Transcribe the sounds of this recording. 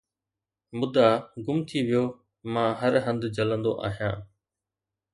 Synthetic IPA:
mʊd̪aɡʊmt̪ʰiʋɪjoː | mãːɦəɾɦə̃nd̪d͡ʑələ̃nd̪o̰ʔa̰ːɦijã̰ː

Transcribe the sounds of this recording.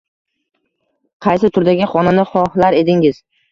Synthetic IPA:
qʰɑjsɪt̪ʰʊɾd̪aɡʲɪχɒnanɪχɒhlaɾe̞d̪ɪŋɪz̥

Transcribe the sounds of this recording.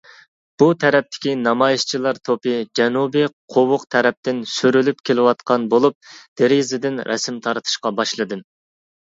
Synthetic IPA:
b̥ut̪ʰɛɾɛp̚t̪ʰɪ̥kʲinɑmɑjiʃt͡ʃʰilˠɑɾt̪ʰopɨd͡ʒɛnubɨqʰowʊqt̪ʰɛɾɛp̚t̪ɪnsyɾylypkʲʰelɪwɑt̪qʰɑnbolˠup̚d̪̥eɾizɪd̪ɪnɾʔɛ̰sɪmt̪ʰɑɾt̪ʰɨ̥ʃqɑbɑʃlˠɨd̪ɨm

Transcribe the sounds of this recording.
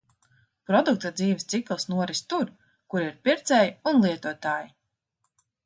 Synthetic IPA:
pɾɔd̪uk̚t̪ad̪ziːvʲst̪siklˠsnuɔɾist̪uɾ | kuɾiɾpʲiɾt̪sɛjiunlˠiɛt̪uɔt̪aːji

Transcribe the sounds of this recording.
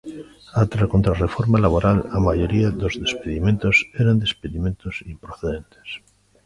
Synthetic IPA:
at̪ɾakont̪ɾarefoɾmalaβoɾalamaʝo̞ɾiaðozðe̞speðiment̪oseɾand̪e̞speðimẽnt̪osimpɾoθeðẽnt̪e̥s

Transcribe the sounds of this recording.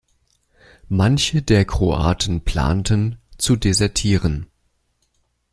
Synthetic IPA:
mançədeːɐkʁ̥oʔa̰ːtʰən̩pʰl̥a̰ːntənt͡sudezɛɐtʰiːʁən

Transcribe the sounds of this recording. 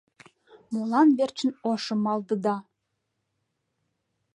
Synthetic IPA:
molˠɑnβert͡ɕə̆noʃə̆mɑld̪ə̆d̪ɑ

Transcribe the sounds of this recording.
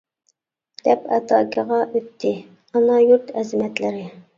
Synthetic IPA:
d̪̥ɛpɛt̪ʰɑːkʲʰɪʁɑʔøt̪ʰːɪ | ɑnɑjuɾt̪ɛzɪmɛt̪lɪɾɪ

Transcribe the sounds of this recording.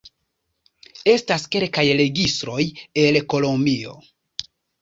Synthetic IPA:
e̞staske̞lkajɾe̞ɡistɾo̞jelko̞lombio̞̰

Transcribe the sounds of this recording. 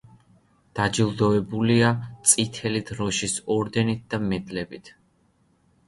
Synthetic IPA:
d̪̥ad͡ʒilˠd̪ɔɛbuliat̪sʼit̪ʰɛlit̪ʰɾɔʃisɔɾd̪ɛnit̪̚d̪amɛd̪lɛbit̪ʰ

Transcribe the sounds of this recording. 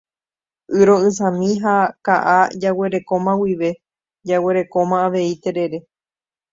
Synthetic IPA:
ʔɨɾo̞ɨ̃s̬ãmĩɦakaʔad͡ʒawe̞ɾe̞ko̞mãwiʋe̞ | d͡ʒawe̞ɾe̞ko̞mãːʋe̞it̪e̞ɾe̞ɾe̞

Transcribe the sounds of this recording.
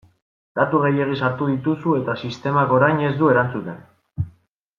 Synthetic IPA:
d̪̥at̪uɣe̞je̞ɣ̞isaɾt̪uðit̪usue̞t̪asist̪e̞mako̞ɾajɲe̞zd̪ue̞ɾant͡sut̪e̞n

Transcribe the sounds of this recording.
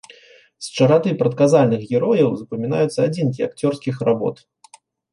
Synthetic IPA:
st͡ʂɐɾat̪ɨpɾɐt̪̚kazalʲnɨxɣʲɛɾɔjɐwzɐpɐmʲinajut̪sːɐad͡zʲinkʲia̰kt͡sʲɔrskʲixrabɔ̰t̪

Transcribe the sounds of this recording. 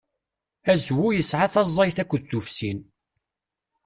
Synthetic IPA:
æzwujəsʕaθɑzˤːɑjθækʷːðθufsin

